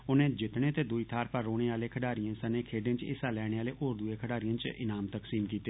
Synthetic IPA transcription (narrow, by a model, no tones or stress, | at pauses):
ʊnẽːd͡ʒɪt̪ɳẽːt̪eːd̪ʊiːt̪ʰaːɾpəɾːoːɽ̃eːaːleːkʰəɖaːɾijãːsənẽːkʰeːɖẽːt͡ʃɪ̰saːlɛːɽ̃eːaːleːʔoːɾd̪ʊeːkʰəɖaːɾijãːt͡ʃɪ̰naːmt̪əksiːmkiːt̪eː